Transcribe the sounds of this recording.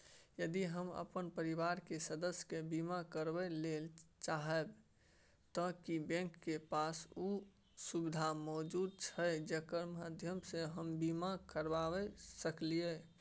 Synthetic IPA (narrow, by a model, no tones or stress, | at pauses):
jəd̪iɦəmə̰pənpəɾiʋaɾkesəd̪əsjkebimakəɾbɛlelt͡ʃaɦɛb | t̪ɔkibɛ̃ŋkːepasu | subid̪ʱamɔːd͡ʒud̪̚t͡ʃʰəd͡ʒekəɾmad̪ʱjəmseɦəmbimakəɾbabɛsəklie